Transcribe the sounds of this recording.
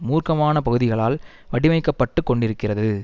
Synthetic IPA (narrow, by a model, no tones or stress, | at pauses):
muːrkɐmaːnɐpɐɣɯðɪɣɐɭaːl | ʋɐɽɪmɐɪkːɐpːɐʈːɯkːɔɳɖɪɾɯkːɪrɐðɯ